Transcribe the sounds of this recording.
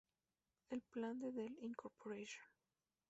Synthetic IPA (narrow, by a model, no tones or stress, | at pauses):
elplãnd̪eðelĩŋkoɾpʰoɾeʃõn